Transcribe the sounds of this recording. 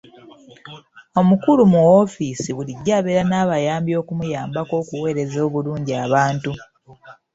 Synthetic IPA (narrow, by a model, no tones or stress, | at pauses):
o̞mukulumuofisiβuliɟːaːβeɾanaːβajaːmbjo̞ːkumujaːmbako̞ːkuwe̞ːɾe̞zo̞ːβuluːɲɟiaːβaːntu